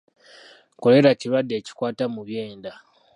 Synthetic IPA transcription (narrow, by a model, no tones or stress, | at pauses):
ko̞le̞ɾaciβadːe̞ːci̥kwaːtamuβje̞ːnda